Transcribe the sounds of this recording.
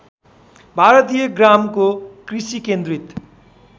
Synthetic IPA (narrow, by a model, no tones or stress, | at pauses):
bʱaɾʌt̪ijʌɡramkokrisikend̪ɾit̪